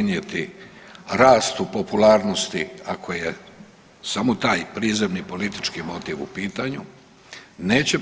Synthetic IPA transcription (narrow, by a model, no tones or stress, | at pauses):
nje̞t̪i | ɾaːst̪upo̞pulaːɾno̞st̪iakʰo̞je̞ | samo̞t̪aːjpɾiːzemnipo̞lit̪i̥t͡ʃkimo̞t̪iːʋṵpiːt̪aɲu | ne̞ːt͡ɕe